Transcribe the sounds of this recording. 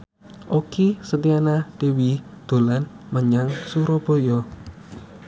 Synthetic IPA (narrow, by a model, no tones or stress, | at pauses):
ʔokisət̪ianad̪̥ewid̪̥o̤lan | məɲaŋsuɾɔb̥o̤jɔ